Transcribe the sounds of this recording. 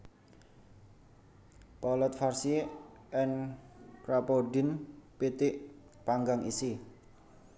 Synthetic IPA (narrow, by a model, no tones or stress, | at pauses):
pɔlɔt̪̚farsi | ɛnkɾapoɖɪnpit̪ɪʔ | paŋɡaŋʔisi